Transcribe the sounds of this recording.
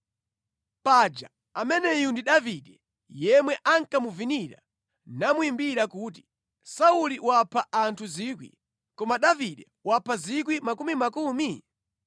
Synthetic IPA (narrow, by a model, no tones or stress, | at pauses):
pad͡ʒa̰ | amɛnɛjundiɗaviɗɛ | jɛmwɛʔaŋkamuviniɾa̰ | namuimbiɾakuːt̬i̥ | sauliwapʰaʔantʰuziːkwḭ | kɔmaɗaviɗɛ | wapʰazik̬wimakumimakuːmi